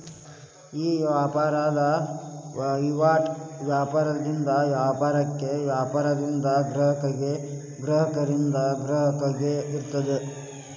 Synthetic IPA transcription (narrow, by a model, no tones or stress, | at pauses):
iːaːpaːɾaːd̪ɐ | ʋiʋaːʈʋjaːpaːɾɐd̪ind̪ɐʋjaːpaːɾɐkːe̞ʋjaːpaːɾɐd̪ind̪ɐɡɾɐɦɐkɐɡe | ɡɾɐɦɐkɐɾind̪ɐɡɾɐɦɐkɐɡeiɾt̪ːɐd̪e